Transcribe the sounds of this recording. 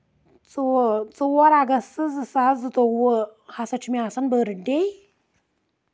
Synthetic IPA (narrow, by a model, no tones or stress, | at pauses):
t͡səwt͡sʼəwaɾaɡasəzəsazətʼowəhasat͡ʃimiasanbəɾədej